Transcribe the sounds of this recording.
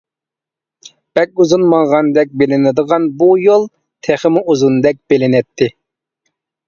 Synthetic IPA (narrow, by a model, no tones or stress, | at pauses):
b̥ɛk̚ʲuzunmɑŋʁɑnd̪ɛk̚ʲbelɪnɪd̪əʁɑnbujolˠ | t̪ʰeχɪmuuzund̪ɛk̚ʲb̥elɪnɛt̪ʰːɪ